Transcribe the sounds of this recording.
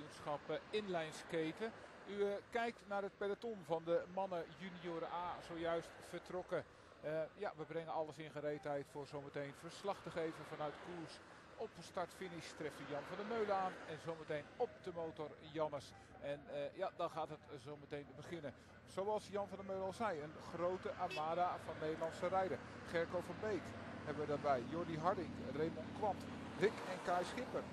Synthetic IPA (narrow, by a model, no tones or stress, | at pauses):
nsxɑpɪnlɛjnskejtə | ykɛjk̚tnarɦət̚pɛdatɔnvɔndəmɑnəjynioːɾəʔaːz̥owjœɥstfərtrɔkə | ja̰ʋəbrɛŋənɑlˠəsɪnxəɾejdənɦɛjtfʊːrzowmətejnfərslɑxtəɣejvəfɑnœɥtkurs | ɔpəstartfinɪstrɛftəjɑnfɑndəmøɥləaːnɛnzowmətejnɔp̚d̥əmowtɔrjɑnəs | ɛnjadɑnxaːtɦətzowmətejnbəχɪnə | z̥owɑlˠsjɑnfɑndəmøɥləɑlˠzɛjənxrowtəʔamaːdavɑnːejdəlˠɑnsərɛjdəχɛɹkowfɔnbejkhɛbəʋədaːbɛjjʊɹdiɦɑɹdɪŋkremonkʋɑnt | rɪkɛnkajsxɪpər